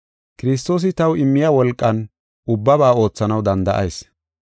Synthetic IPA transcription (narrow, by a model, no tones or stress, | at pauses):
kɪɾɪs̬t̪o̞ːs̬ɪt̪ɐwɪmːɪjɐwɔlkʼːɐn | ʊbːɐβaːo̞ːt͡sːɐnɐwd̪ɐnd̪ɐʔɐjs